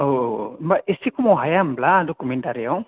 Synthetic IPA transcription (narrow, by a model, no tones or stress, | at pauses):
obaʔesikumɔɦajambladɔkumentaɾijaw